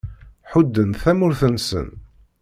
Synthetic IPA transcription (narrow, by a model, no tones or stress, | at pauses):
ħud̪ːənθæmʊɾθənsə̰n